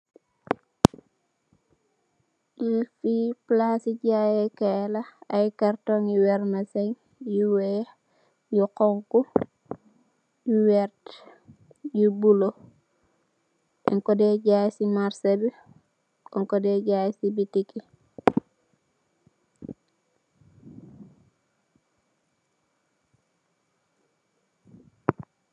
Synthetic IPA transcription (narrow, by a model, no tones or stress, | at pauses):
jifiplasiɟajɛkelaajkartɔŋjiwɛɾmɐsɛŋ | juwɛ | juqɔŋku | juwɛɾt | jubulo | ʔɛ̰ŋkɔdeɟajsimaɾsebi | kɔŋkɔdeɟajsibitiki